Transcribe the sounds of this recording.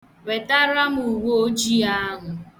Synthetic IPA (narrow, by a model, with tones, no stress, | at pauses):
we˨ta˦ɾa˦m˦u˨wo˦o˦d͡ʒi˦a˦ɦʊ˨